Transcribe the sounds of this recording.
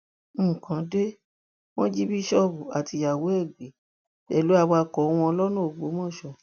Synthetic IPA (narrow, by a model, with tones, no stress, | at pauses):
kã˨˦de˦ | w̃ɔ̃˦d͡ʒi˦bi˦ʃɔ˦bu˨a˨ti˧ja˨wo˨˦ɛ˦˨ɡ͡be˨˦ | ɛ˨lu˦a˧wa˧kɔ˨˦w̃ɔ̃˧ɔ˧lɔ˦nũ˦o˨ɡ͡bo˨˦mɔ̃˦˨ʃɔ˧˨